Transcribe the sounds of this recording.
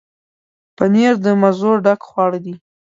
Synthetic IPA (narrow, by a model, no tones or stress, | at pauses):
pəneɾd̪əmazoɖakxwɑɽd̪i